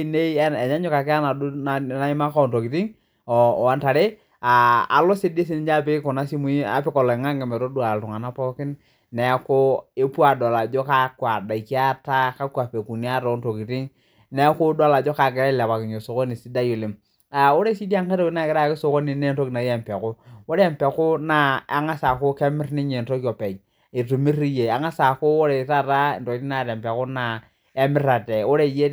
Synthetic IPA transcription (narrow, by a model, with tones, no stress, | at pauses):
ne˦ɛ˨ɲa˦ɲʊ˦ka˨kɪ˦a˦na˨dna˦ɪ˦ma˦ka˦ɔ˨nto˨ki˨ti˦ŋ˨ | a˦nta˨ɾe˦ | a̰ː˨lɔ˦se˦de˦s̬i˦ni˨˦d͡ʒa˦˨pe˦kɔ˨na˦si˦mu˦i˦a̰˦pɪ˦kɔ˨lɔ˨ɪ˨ŋa˦ŋɡɛ˨mɛ˨ɾo˦du˦a˨ltʊ˨ŋa˨na˦pɔ˦kɪ˦n | nɛ˨˦ko˦e˦pu˦a˨da˨la˨d͡ʒɔ˦ka˦kwa˨da˨i˨ki˦a˦ta˦ka˦kwa˨pe˨ku˨ni˦a˦ɾɔ˨˦nto˨ki˨ti˦ŋ | ne˦ko˦do˦˨la˨d͡ʒo˦ka˨ɡɪ˨ɾa˦la˨ba˨kɪ˨ɲo˨so˨ko˦ni˨si˦da˦ju˨li˨m | a˨o˦ɾe˦si˦di˦a˦ŋka˦ɾo˦ki˦na˦˨kɪ˨ɾa˦˨kɪ˦so˦ko˦ni˨ne˦nto˦ki˨na˨˦e˨mpe˨ko˦o˦ɾɛ˨mpe˨kʊ˦na˦a˨˦ŋa˦sa˨ko˦ke˦mɪ˦ɾni˦ɲe˨n̩to˦ko˨pe˨j | i˨tu˨mi˦ɾi˦je˨a˨ŋa˦sa˨ko˦o˦ɾe˨ta˦ɾa˦˨nto˨ki˦ti˦na˨ɾe˨mpe˨ku˦na˨ | e˦mɪ˦ɾa˨te˨o˦ɾe˦˨je˦